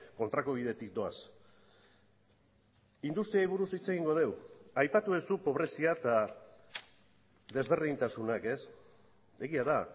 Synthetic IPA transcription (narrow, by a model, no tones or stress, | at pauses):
ko̞nt̪ɾakoβ̞ið̞e̞t̪ik̚d̪o̞as | ind̪ust̪ɾiajβuɾusit͡se̞ɣiŋɡo̞ð̞e̞wajpat̪uesupo̞βɾe̞siat̪a | ðe̞zβe̞ɾðint̪asunake̞s | e̞ɣiaða